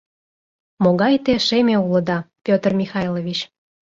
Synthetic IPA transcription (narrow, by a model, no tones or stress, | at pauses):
moɣɑjt̪eʃemʲeuləd̪ɑpʲot̪ərmʲixɑjlovʲit͡ɕ